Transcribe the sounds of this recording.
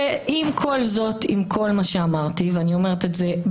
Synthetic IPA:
ʔimkʰo̞lzo̞t̪imkʰo̞lmaʃeamaʁt̪iveanio̞me̞ʁet̪etze̞

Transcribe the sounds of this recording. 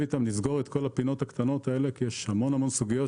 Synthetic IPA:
it̪amnizɡo̞ʁet̪ko̞lapino̞t̪hakt̪ano̞t̪ae̞le̞kijeʃhamo̞namo̞nsuɡijo

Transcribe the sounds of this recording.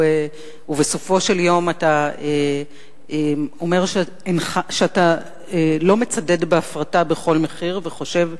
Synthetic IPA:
e | uveso̞fo̞ʃe̞ljo̞matae | emo̞me̞ʁʃ | enχaʃeata | elo̞me̞t͡sade̞dbeafʁatabe̞χo̞lme̞χiʁveχo̞ʃe̞v

